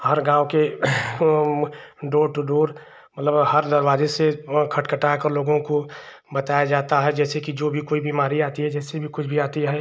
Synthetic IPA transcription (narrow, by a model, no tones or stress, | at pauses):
hɐɾɡãːwke | ɖoːɾʈ̪uɖoːɾ | mɐt̪ləbhɐɾd̪ɐɾʋaːzesekʰɐʈkəʈaːkəɾloːɡõko | bɐt̪aːjad͡ʒaːt̪aɦɛd͡ʒɛːsekid͡ʒoːbʱikoːibiːmaːɾiaːt̪iɦɛd͡ʒɛːsebʱikʊt͡ʃʰbʱiaːt̪iɦɛ